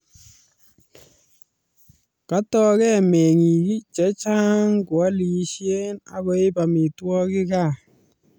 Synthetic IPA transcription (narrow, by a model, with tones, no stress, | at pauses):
ka˦tɔ˨kɛ˦˨mɛ˨ŋi˨ki˦t͡ʃɛ˨˦t͡ʃa˦ŋko˨a˦li˨ʃje˦na̰˦ɣɔ˦ɪ˦pa˨mi˨twɔ˦kɪ˦ka˦˨